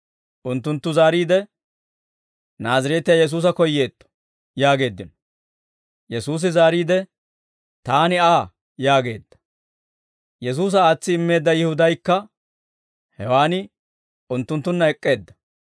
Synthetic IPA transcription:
ʔʊnt̪ːʊnt̪ːʊzaːɾiːd̪ɛ | naːzɐɾeːt̪ːɪjajɛs̬uːs̬ɐkɔjːe̞ːt̪ːɔ̥ | jaːɡe̞ːd̪ːɪnɔ | jɛsuːs̬ɪzaːɾiːd̪ɛ | t̪aːnɪaː | jaːɡe̞ːd̪ːɐ̥ | jɛs̬uːs̬ɐaːt͡sːɪɪmːe̞ːd̪ːɐjɪhʊd̪ɐjkːɐ | hɛwaːnɪ | ʊnt̪ːʊnt̪ːʊnːɐɛkʼːe̞ːd̪ːɐ

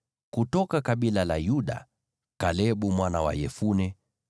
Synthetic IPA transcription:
kutɔkakaɓilalajuɗa̰ | kalɛɓumwanawa̰jɛfunɛ

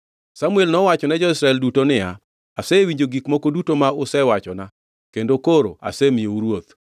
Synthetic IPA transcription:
samuɛlnɔwat͡ʃɔnɛd͡ʒɔisɾaɛldutonɪja | asɛwiɲd͡ʒoɡikmokodutomaʊsɛwat͡ʃɔna | kendokoɾo̰a̰sɛmieuɾwot̪

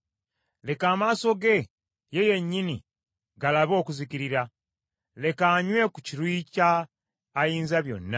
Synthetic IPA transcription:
le̞kaːmaːso̞ɡe̞ | je̞je̞ɲːinḭ | ɡalaβo̞ːkuziciɾiɾa | le̞kaːɲwe̞kuciɾwiːcaː | jiːnzaβjo̞̰nːa

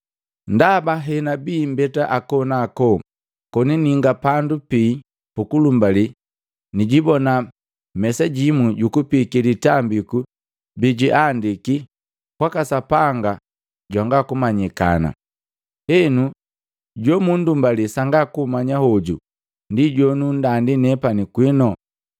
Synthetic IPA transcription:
ndabaɦɛnabiːm̩bɛtaʔakɔnakɔ | kɔniniŋɡapandupiː | pukulumbali | niɟibɔna | mɛsaɟimuɟukupikilitambiku | biɟiʔandiki | kwakasapaŋɡa | ɟwaŋɡakumaɲika̰na̰ | hɛnu | ɟɔmundumbalisaŋɡakumaɲahɔɟu | ndiɟɔnun̩dandinɛpanikwinɔ

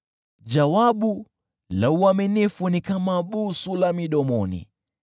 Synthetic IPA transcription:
ʄawaɓu | lauaminifunikamaɓusulamiɗɔmɔnḭ

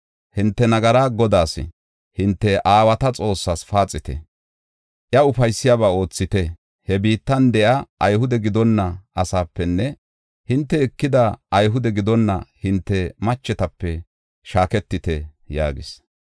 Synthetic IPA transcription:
hɪnt̪ːɛnɐɡɐɾaːɡɔd̪aːsɪ̰ | hɪnt̪ːɛʔaːwɐt̪ɐt͡sʼo̞ːsːasfaːt͡sʼːɪt̪ɛ̰ | ʔjɐʊfɐjsːɪjaːbaːo̞ːt͡sːɪt̪ɛ | hɛbiːt̪ːɐnd̪ɛʔɐʔɐjɦʊd̪ɛɡɪd̪ɔnːɐʔɐsaːpːɛnːɛ | hɪnt̪ːɛɪkːɪd̪ɐʔɐjɦʊd̪ɛɡɪd̪ɔnːɐ̰hɪnt̪ːɛmɐt͡ʃːɛt̪ɐpːɛ | ʃaːkɛt̪ːɪt̪ɛja̰ːɡɪ̰s

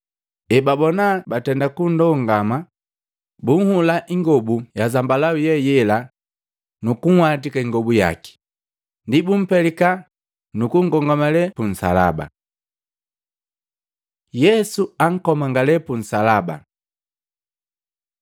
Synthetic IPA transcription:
ɛbabɔnabatɛndakundɔŋɡama | buŋ̩hulaʔiŋɡɔbujazambalaujɛjɛla | nukuŋ̩wat̬ikaiŋɡɔbuja̰ki̥ | ndibum̩pɛlika | nukuŋɡɔŋɡamalɛpun̩sa̰la̰ba̰ | jɛsuaŋ̩kɔmaŋɡalɛpun̩salaba̰

